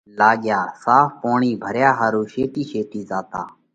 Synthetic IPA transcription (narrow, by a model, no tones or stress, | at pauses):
laːɡjaːsaːfpoːɳiːbʱəɾjaːɦaːɾuːʃeːt̪iːʃeːt̪iːzaːt̪a̰ː